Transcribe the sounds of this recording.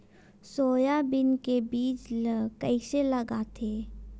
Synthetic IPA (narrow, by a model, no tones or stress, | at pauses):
soːjabɪnkebiːt͡ʃkəiseləɡat̪ʰeː